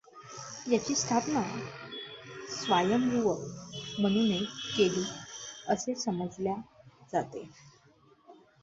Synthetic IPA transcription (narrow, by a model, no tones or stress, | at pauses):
jat͡ɕiːst̪ʰapna | sʋajəmɾuʋəkmənunekeliːəsesəməd͡zljad͡zat̪e